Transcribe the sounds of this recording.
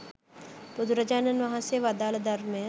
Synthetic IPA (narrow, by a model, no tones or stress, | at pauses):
pʊd̪ɾɐd͡ʒaːnɐnʋɐɦãseʋaːd̪aːld̪ɐɾmẽ